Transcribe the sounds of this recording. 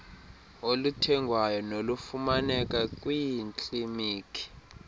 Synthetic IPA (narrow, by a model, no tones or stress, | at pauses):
olutʰɛŋɡʱwajɔnolufumanɛkʼakʼwiint͡ɬʼimiːkʰʼi̥